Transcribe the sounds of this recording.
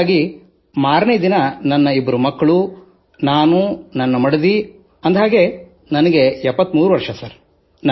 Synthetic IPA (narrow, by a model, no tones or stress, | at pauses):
ɡi | maːɾnejd̪inɐnɐnːɐibːɐɾumɐkːɐɭu | naːnunɐnːɐmɐɽed̪i | ɐnd̪ɦaːɡe | nɐnɐɡe̞ɛpːɐt̪muːɾuʋɐɾʂɐsɐɾ | n